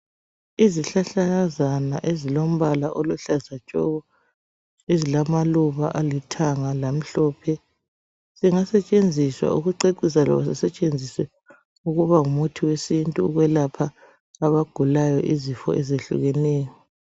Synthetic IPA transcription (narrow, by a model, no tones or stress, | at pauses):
iziɬaɬaazana̰ʔezilom̩βalaʔoluɬazat͡ʃʼɔ̰ɣɔ | ezilamaluβa̰ʔalitʰaŋalam̩ɬɔːpʰɛ | z̥iŋasɛt͡ʃʼend͡zʱiswa̰uɣuǀeǀisalɔ̰βasɛsɛt͡ʃʼend͡zʱiswɛ | uɣuβaumutʰiwesintʼuːɣwɛlapʰaː | βaɡ̥ʱulajɔʔizifɔ̰ʔɛzeɬṵɣɛnɛːjɔ